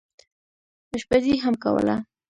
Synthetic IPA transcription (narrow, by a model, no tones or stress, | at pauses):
əʃpaziɦamka̰wə̰la̰